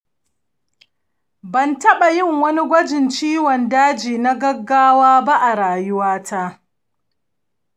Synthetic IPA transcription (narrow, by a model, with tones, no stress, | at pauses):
bɐ˨ntɐ˦ɓa˨jɪ˦˨ŋwɐ˦ni˦ɡʷɐ˦d͡ʒɪ˨nt͡ʃiː˦wɔ˨ndaː˦d͡ʒiː˨na˦ɡɐ˦ɡːaː˦waː˦ba˦ʔa˨ɾaː˨jʊ˦waː˦tʰa˦ʔ